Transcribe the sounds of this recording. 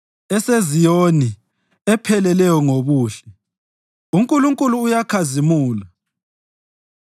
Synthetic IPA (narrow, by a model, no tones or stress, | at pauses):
ɛsezijoni | ɛpʰɛlɛlɛjɔŋoβuːɬɛ̥ | uŋkʼuluŋkʼuluːjakʰazimuːla